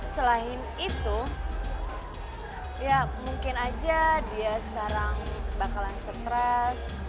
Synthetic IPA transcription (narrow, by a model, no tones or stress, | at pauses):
səlaɦɪn | it̪u | jamuŋkɪnad͡ʒadiasə̥kaɾaŋbakalansət̪ɾɛs